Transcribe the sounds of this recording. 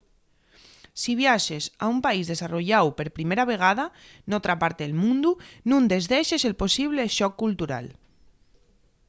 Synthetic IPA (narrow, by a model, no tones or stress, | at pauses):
siβ̞jaʃesa̰umpaizðesaroʎawpeɾpɾimeɾaβ̞eɣ̞aða | not̪ɾapaɾt̪eelmũnd̪unũnd̪ezðeʃeselposiβ̞leʃɔkːult̪uɾa̰l